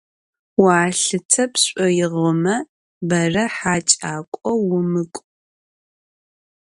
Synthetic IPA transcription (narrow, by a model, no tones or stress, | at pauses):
waːɬɨt͡sʰɐpɕʷʼɔjɪʁɔmɐ | bɐrɐħaːt͡ʃʼaːkʷʼɔwʊmɨkʷʼ